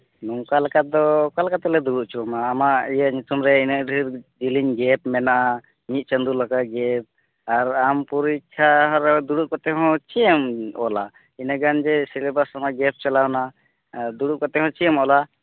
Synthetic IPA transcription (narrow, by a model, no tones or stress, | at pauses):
nuŋkalkad̪ɔkalkat̪ɛlɛd̪uɽuʔt͡ʃʰumaːmaʔijaɲut̪ʰumɾɛinəɖʱiɾd͡ʒiliɲɡɛpmɛnaʔa | ɲit̪̚t͡ʃənd̪ulakaɡɛp̚ | aɾampuɾikʰːaɦɔ̃ɾɛd̪uɽuʔkɔt̪ɛɦɔ̃t͡ʃijəmɔ̰la̰ | inəɡand͡ʒɛsilɛbasamaɡɛp̚t͡ʃalawna | d̪uɽuʔkɔt̪ɛɦɔ̃t͡ʃiəmɔla